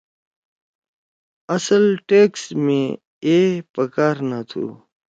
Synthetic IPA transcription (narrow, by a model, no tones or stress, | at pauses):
ɐsəlʈeːksmẽ | epəkaːɾnat̪ʰṵː